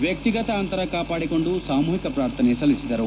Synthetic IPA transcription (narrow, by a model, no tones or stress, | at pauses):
ʋjɐk̚t̪iɡɐt̪ɐːnt̪ɐɾɐkaːpaːɽiko̞ɳɖusaːmuːɦikɐpɾaːɾt̪ʰɐnesɐlːisid̪ɐɾu